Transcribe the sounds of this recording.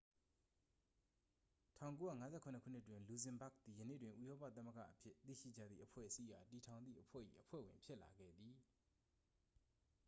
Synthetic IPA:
tʰã˦˨ʊ̃ŋk̬o˦ja̰˦˨ŋa˦zɛ˦˨kʰʊ̃˨nəkʰṵ˦˨n̥ɪ˦˨twɪ̃˨nlu˨zɪ̃˨mba˦˨k̚d̪i˨jənḛ˦˨dwɪ̃˨ʔṵ˦˨jɔ˦pä̰˦˨t̪̬a˦mə˦˨ɡa̰˦˨ʔəpʰjɪ˦t̪ḭ˦˨ʃḭ˦˨d͡ʑa̰˦˨d̪ðḭ˦˨ʔəpʰwɛ̰˦ʔəsi˦ja˨ti˨tʰã˨ʊ̃nd̪ðḭ˦˨ʔəpʰwɛ̰˦˨ʔḭ˦˨ʔəpʰwɛ̰˦˨wɪ̃˨mpʰjɪ˦ʔla̰˨ɡɛ̰˦˨d̪i˨

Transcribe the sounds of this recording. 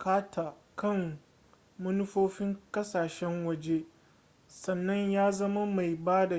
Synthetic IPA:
kaː˦tʰa˨ | kʰɐ˦˨ŋ | mʊ˦nʊ˦ɸoː˦ɸɪ˦ŋkɐ˦saː˨ʃɛ˦ŋwɐ˨d͡ʒe˦ | sɐ˨nːɐ˦ɲjaː˦zɐ˦ma˦ma˨jbaː˦da˨

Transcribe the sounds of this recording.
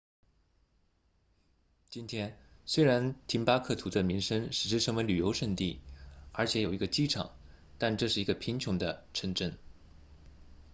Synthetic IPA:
t͡ɕi˥nt̪ʰjɛ˥nswe˥ɪɻa˧˥nt̪ʰi˧˥npa˥kʰɤ˥˩t̪ʰu˧˥d̪ə˧mi˧˥ŋʂə˥ŋʂɻ̩˨˩ʂɻ̩˥˩ʂʰɤ˧˥ŋmə˧ly˨˩jo˧˥ʊʂə˥˧ŋt̪i˥˩ə˞˧˥t͡ɕʰjɛ˧˥jo˨˩ʊi˧˥ɡə˧t͡ɕi˥ʈ͡ʂʰɑ̰˨˩˦ŋ | t̪a˥˧nʈ͡ʂɤ˥˧ʂɻ̩˥˩i˧˥ɡə˧pʰi˧˥ŋt͡ɕʰjʊ˧˥ŋd̪ə˧ʈ͡ʂʰə˧˥ŋʈ͡ʂə˥˩n

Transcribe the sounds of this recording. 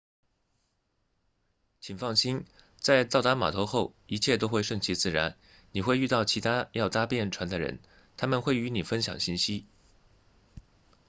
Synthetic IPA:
t͡ɕʰi˨˩ŋfɑ˥˩ŋɕi˥n | t͡sa˥˧ɪt͡sɑ˥˩ʊt̪a˥ma̰˨˩t̪ʰo˧˥ʊxo˥˩ʊi˧˥t͡ɕʰjɛ˥˩t̪̬o˥ʊxwe˥˧ɪʂə˥˩ŋt͡ɕʰi˧˥t͡sɹ̩˥˩ɻa˧˥n | ni˨˩xwe˥˧ɪy˥˧t̪ɑ˥˩ʊt͡ɕʰi˧˥t̪ʰa˥jɑ˥˩ʊt͡sa˥pjɛ˥˩nʈ͡ʂʰwa˧˥nd̪ə˧ɻə̰˧˥n | t̪ʰa˥mə˨nxwe˥˩ɪy˧˥ni˨˩fə˥nɕjɑ̰˨˩ŋɕi˥˩nɕi˥

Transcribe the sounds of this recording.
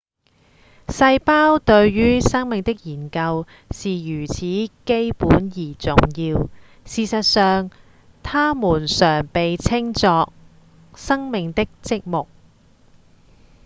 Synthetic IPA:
sɐ˧jpaː˥wt̪ɵ˧ɥjyː˥sɐ˥ŋmɪ˨ŋt̪ɪ˥k̚jiː˨˩nkɐ˧w | siː˨jyː˨˩t͡sʰiː˨˥ke˥jpuː˨˥njiː˨˩t͡sʊ˨ŋjiː˧w | siː˨sɐ˨t̚sœː˨ŋ | t̪ʰaː˥muː˨˩nsœː˨˩ŋpe˨jt͡sʰɪ˥ŋt͡sɔː˧k̚ | sɐ˥ŋmɪ˨ŋt̪ɪ˥k̚t͡sɪ˥k̚mʊ˨k̚

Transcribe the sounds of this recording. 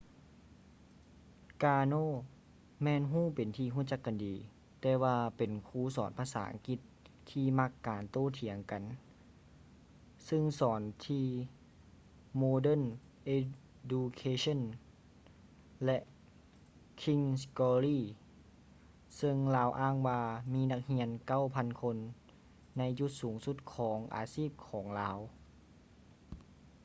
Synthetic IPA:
kaː˧noː˧˨ | mɛː˧˥˨nɦuː˧˥˩pe˨nt̪ʰiː˧ɦuː˧˥˩t͡ɕa˧kːa˨ndiː˨˦ | t̪ɛː˧waː˧pe˨˩nkʰuː˧˥˨sɔ̰ː˨˦npʰaː˧sa̰ː˨˩˦ʔa̰˧ŋki˧t̪̚ʰː | iː˧ma˧˥kːaː˨˩nt̪oː˧˥˨t̪ʰi˨˩˦əŋka˨n | sɯ˧˨ŋsɔː˨˩˦nt̪ʰiː˧ | moː˧dɤ˧˥˨n | ʔe˧ | du˧kʰeː˧sʰo˧˥˨n | lɛ˧ʔ | kʰi˧˥ŋskɔː˧liː˧˩˨ | sɤ˧ŋlaː˧˥wʔaː˧˥˨ŋwaː˧miː˧˥˨na˧k̚hi˧˥ənka˧˩˨wpʰa˧˥˨nkʰo˧nː | a˧˥jju˧˦t̪̚suː˩˦ŋsu˧˦t̪̚kʰɔː˩˦ŋʔa̰ː˨˦siː˥˩p̚kʰɔː˩˦ŋlaː˧w

